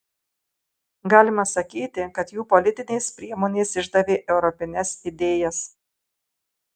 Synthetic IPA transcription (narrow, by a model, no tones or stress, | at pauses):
ɡɑːlʲɪmɐsɐkʲiːt̪ʲɪkɐt̪juːpɔlʲɪt̪ʲɪnʲɛɪspʲɾʲiɛmoːnʲeːsɪʒd̪ɐʋʲeːʔɛʊɾɔpʲɪnʲɛsɪd̪ʲeːjɛs